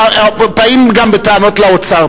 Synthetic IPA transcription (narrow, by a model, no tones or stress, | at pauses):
paimɡambet̪aːno̞t̪laot͡sa